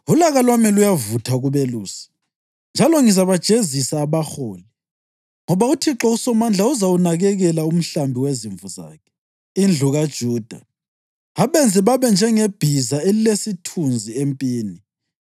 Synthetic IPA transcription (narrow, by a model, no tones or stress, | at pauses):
ulaɣalwamilujavutʰaɣuβeluːsi̥ | nd͡ʒʱalɔŋizaβad̥ʒ̥ʱezisaːβaxoːli | ŋɔβautʰiǁɔusɔmand͡ɮʱauzaunaɣɛɣɛlaum̩ɬambʱiweziɱvuza̰ːkʰɛ̥ | ind͡ɮʱuɣad̥ʒ̥ʱuːd̥ʱa̰ | ɣaβɛnd͡zʱiβaβɛnd͡ʒʱɛŋeb̥ʱizaelilesitʰund͡zʱiempʼiːni